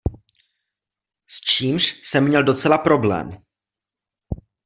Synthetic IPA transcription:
st͡ʃiːmʃsɛmːɲɛldo̞t͡sɛlapɾo̞blɛ̰ːm

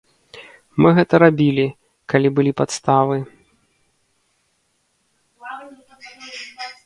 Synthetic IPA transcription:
mɨɣɛt̪ɐɾabʲilʲi | kalʲibɨlʲipat̪st̪avɨ

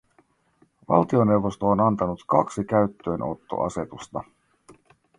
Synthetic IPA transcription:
ʋɑ̰lt̪io̞ne̞wʋo̞st̪oːnɑnt̪ɑnut̪kɑksik̟æɥt̪ːø̞ːnʔo̞̰t̪ːo̞̰ʔɑ̰se̞t̪ust̪ɑ

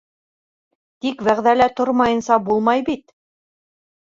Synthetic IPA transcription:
t̪ikwæʁðælæt̪oɾmɑjɤ̆nsɑbulˠmɑjbit̪

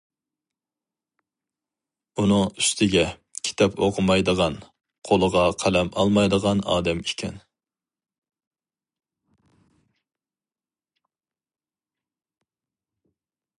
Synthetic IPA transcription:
unɨŋyst̪ʰɪɡʲɛ | kʲʰi̥t̪ʰɛpʰo̰qʰʊmɑjd̪əʁɑn | qʰolˠəʁɑqʰælɛmɑ̰lˠmɑjd̪əʁɑnɑ̰ːd̪ɛmikʲʰɛ̰n

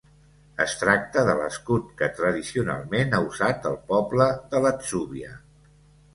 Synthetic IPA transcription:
əst̪ɾak̚t̪əðələskut̪̚kət̪ɾəðisiuna̰lˠmenauzat̪əlˠpɔbləðələtsuβiə̰

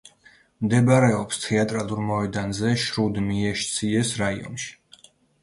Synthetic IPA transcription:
md̪ɛbaɾɛɔpst̪ʰɛat̪ʼɾalˠuɾmɔɛd̪anzɛʃɾud̪miɛʃt̪sʰiɛsɾaiɔ̰nʃi̥

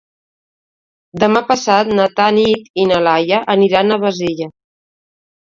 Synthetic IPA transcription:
d̪əmapəsat̪nət̪anit̪inəlajəʔəniɾanəβəziʎə

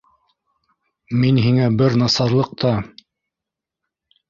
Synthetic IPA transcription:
minɦiŋæbɘɾnɑsɑɾlˠɤq̚t̪ʰɑ

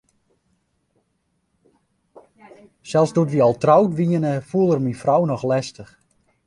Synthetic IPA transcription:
sɛlˠsdutʋiɔlˠtrawtʋiənəfuəlˠərminfrɔwnɔxlɛstəx

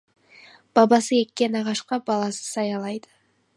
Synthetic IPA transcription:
b̥ɑbɑsəe̞kːʲe̞nɑʁɑʃqɑbɑlˠɑsə̥sɑjɑlˠɑjd̪̥ə

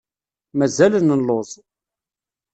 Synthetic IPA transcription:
mæzælənːəlːozˤ

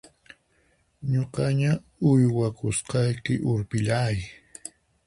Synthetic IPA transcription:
ɲoqɑɲa | ʊjwakʊsqɑjkɪʔʊɾpɪʎaːj

